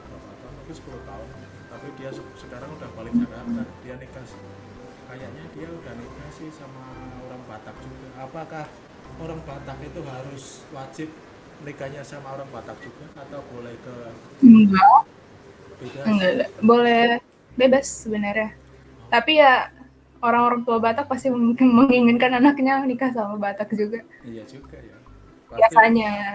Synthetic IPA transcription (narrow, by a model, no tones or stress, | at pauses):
atat̪amit̪usə̥pulʊht̪aʊn | t̪apikijassəkaɾaŋudahbalɪŋabaɦakard̥ianikas | kajaʔɲadiaudahnikɲasɪhsamaoɾaŋbat̪ak̚d͡ʒuɡaːpakah | oɾaŋbat̪akit̪uɦaɾʊs | wat͡ʃɪp̚ | nikaɲasamaoɾaŋbat̪ak̚d͡ʒ̥uɡaːt̪awbolɛhkə | ɡa | d͡ʒuaəŋɡaabolɛh | bebasːəbənarɲa | t̪apija | oɾaŋoɾaŋt̪uabat̪ak̚past̪imkɪŋməŋiŋɪnkananak̚ɲanikahs̬amabat̪ak̚d͡ʒuɡa | jad͡ʒuɡaja | jasaɲa